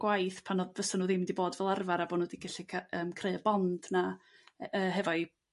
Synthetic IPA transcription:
ɡ̥wajθpʰanɔðvəsanuːðɪmndiboːdvɛlˠarvaɾabonuːdiɡaɬikʰaəːmkʰreɨəbɔnd̥na | əːɦɛvɔj

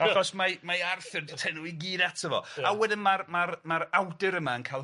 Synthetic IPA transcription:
aɡɔsmamajarθɪrditʰɛnuiɡiːdatʰəvɔ̰awɛdɪnmarmarmaɾawdɪɾəmaənkʰajlˠ

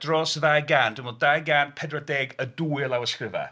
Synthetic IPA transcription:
d̥rɔsðajɡaːnd̥wɪnmoːdajɡaːnpʰɛdrɔdɛːɡəduːɪəlˠawəskrɪva̰

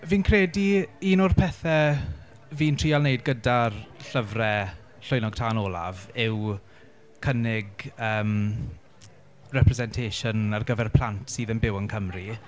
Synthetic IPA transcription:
viːnkʰreːdiiːnʊrpʰɛθɛ | viːntʰr̥iːalˠnejdɡədarɬəvrɛ | ɬʊjnɔɡ̥̚tʰaːnɔːlˠa̰vɪw | kʰənɪɡəːm | rɛpʰrɛzɛntʰeːʃɔnarɡəvɛrpʰl̥ˠantʰsiːðənbɪwənkʰəmri

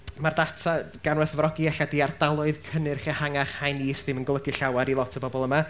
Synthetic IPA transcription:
mardatʰaɡ̥anwɛθvrɔɡiɛɬadiːardalˠʊɨðkʰənɨrχɛhaŋaχhajniːsdɪmənɡlˠəɡɪɬawaɾilˠɔtʰəbɔbɔlˠəma

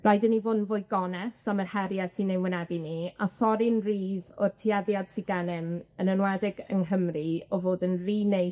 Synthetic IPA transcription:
rajdənivʊːnvʊːɨɡɔnɛsamərhɛɾjasinːewɪnɛbiniaθɔɾɪnriːðɔrtʰiaðjad̥siɡanɛmənənwɛdɪɡə̰ŋɦəmriɔvoːdənriːnej

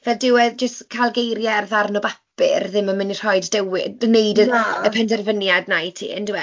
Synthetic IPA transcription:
vɛlˠdɪwəd͡ʒəstkʰajlˠɡejɾjarðarnɔbapɪ̰rðɪməmɪnir̥ɔɨdːɛwɪdnejdəəpʰɛndɛrvənjadnajtʰḭːɛ̰ndɪwɛ

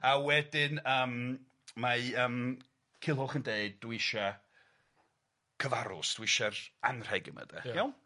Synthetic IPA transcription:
awɛdɪnəːm | maəːm | kʰɪlˠɦʊχəndeɨdːwɪʃa | kʰəvaɾʊ̰sd̥wɪʃaranr̥ɛɡɪ̰mə̰dɛ̰jɛ

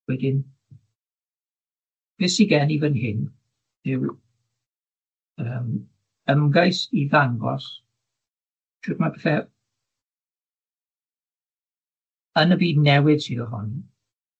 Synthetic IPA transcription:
wɛdɪn | b̥ɪːsiɡɛniːvənɦɪn | ðɛw | əːm | əmɡajsiðaŋɡɔ̰s | tʰɪkmapʰɛθɛ | ənəbiːdnɛwɪd̥siðɔrɔ̰n

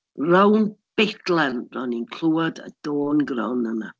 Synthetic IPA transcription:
rawnb̥ɪdlˠɛnrɔninkʰl̥uːadə̰d̥oːnɡrɔwnəna

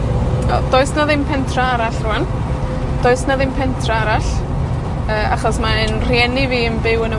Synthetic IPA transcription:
ɛ̰d̥oːɨsnaðɪmpʰɛntʰraaɾaɬruan | d̥oːɨsnaðɪmpʰɛntʰraaɾaɬ | əːa̰χɔsmaənrjɛniviːənbɪwənə

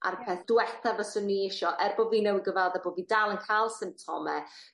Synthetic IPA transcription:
a̰rpʰeːθd̥wɛθavɔsʊnːiːɪʃɔʔɛrboːviːnɛwəɡəvɛlˠðɛboːviːdalˠənkʰajlˠsɪmp̚tʰɔ̰mɛ

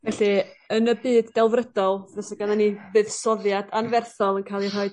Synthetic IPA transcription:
vɛɬiənəbɨːdːɛlˠvrədɔlˠvɛsəɡananivɨðsɔðjadanvɛrθɔlˠənkʰalˠir̥ɔɨd̥̚

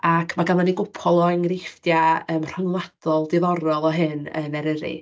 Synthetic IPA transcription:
akʰmaɡananiɡʊpʰɔlˠɔɛŋrɪfdjaəːmr̥ɔŋlˠad̥ɔlˠdɪðɔɾɔlˠɔɦɨnə̰nɛɾəɾɨ̰

